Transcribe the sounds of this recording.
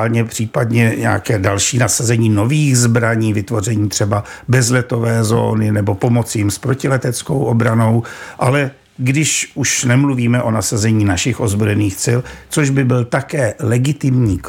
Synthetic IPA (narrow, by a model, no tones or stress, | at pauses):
lɲɛpr̝̥iːpadɲɛɲɛ̰a̰kɛːdalʃiːnasazɛɲiːno̞viːɣzbɾaɲiːvɪt̪vo̞r̝ɛɲiːt̪r̝̥ɛbabɛzlɛt̪o̞vɛːzo̞̰ːnɪnɛbo̞po̞mo̞t͡sɪjɪmspɾo̞cɪlɛt̪ɛt͡sko̞wʔobɾano̞wʔalɛ | ɡdɪʃʔuʃnɛmluviːmɛʔo̞nasazɛɲiːnaʃɪxʔozbojɛniːxt͡sɪlt͡soʒbɪbɪlt̪akɛːlɛɡɪt̪ɪmɲiː